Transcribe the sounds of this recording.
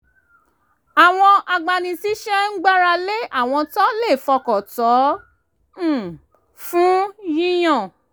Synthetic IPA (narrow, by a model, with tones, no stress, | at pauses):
a˨w̃ɔ̃˧ʔa˧ɡ͡ba˧nĩ˧si˦ʃɛ˦ŋ̩˦ɡ͡ba˦ɾa˧le˦a˦˨w̃ɔ̃˧tɔ˦le˦˨fɔ˧kɔ˨tɔ˨˦˨ | fũ˦jĩ˦j̃ɔ̃˦˨